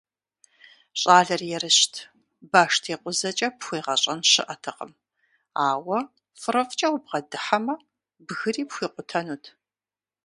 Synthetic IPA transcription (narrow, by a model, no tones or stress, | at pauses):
ɕʼaːɮɐrjɛɾɨɕtʰ | baːʂtʰiːqʷʼʊzɐt͡ʃʼɐpxʷiːʁɐɕʼɐnɕɨ̰ʔɐtʰɨqə̰m | aːwɐ | fɨrɐfʼt͡ʃʼɐwʊb̚ʁɐdɨħɐmɐ | bɣɨriːpxʷiːqʷʊtʰɐnuːtʰ